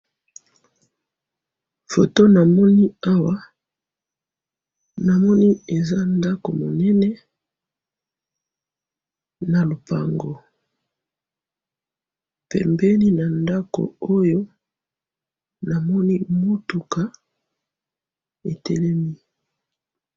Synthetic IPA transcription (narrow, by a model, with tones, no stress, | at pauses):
fo˨to˦na˨mɔ˦ni˦a˦wa˦ | na˨mɔ˦ni˦e˨za˦nda˦ko̰˨mo˨nɛ˦nɛ˦ | na˨lo˨pa̰˨ŋɡo˨ | pɛ̰˨mbɛ˦ni˦na˨nda˦ko̰˨o˦jo˦ | na˨mɔ˦ni˦mo˦tu˨ka˦ | e˨tɛ˦lɛ˦mi˦